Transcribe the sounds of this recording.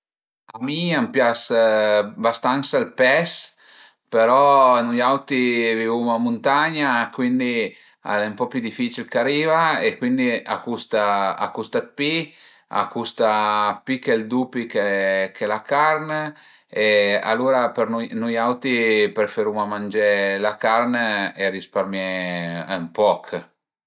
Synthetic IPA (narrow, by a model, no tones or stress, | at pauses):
amiampjas | bast̪aŋsalpɛs | peɾɔnujawt̪ivivumamunt̪aɲakwind̪i | a̰lɛmpɔpjud̪ifit͡ʃilkaɾiːvaekwind̪ia̰kust̪aa̰kust̪at̪̚pi | a̰kːust̪apikɛld̪upikɛkɛlakarne | ea̰lːuːɾapernujnujawt̪ipɾefeɾumamand͡ʒelakarneerisparmjɛ | mpɔkʰ